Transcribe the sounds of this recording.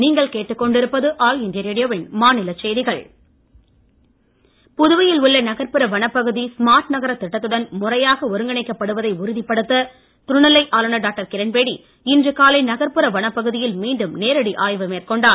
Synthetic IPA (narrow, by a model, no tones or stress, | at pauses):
niːŋɡɐɭkeːʈːɯkːɔɳɖɪɾɯpːɐðɯʔaːlɪndɪjɐɾeːɽɪjoːʋɪnmaːnɪlɐt͡ʃɛjðɪɣɐɭ | pʊðɯʋɐjɪlʊɭːɐnɐɣɐɾpɯɾɐʋɐɳɐpːɐɣɯðismaːɾʈnɐɣɐɾɐt̪ːɪʈːɐt̪ːɯɽɐnmʊrɐjaːɣɐɔɾɯŋɡɐɳɐɪkːɐpːɐɽɯʋɐðɐɪʊɾɯðɪpːɐɽɯt̪ːɐ | t̪ʊɾɳɐlːɐɪʔaːlɯɳɐɖaːk̚ʈɐɾkɪɾɐnpeːɽi | ɪndrɯkaːlɐɪnɐɣɐɾpɯɾɐʋɐɳɐpːɐɣɯðɪjɪlmiːɳɖɯmneːɾɐɽiʔaːjʋɯmeːrkɔɳɖaː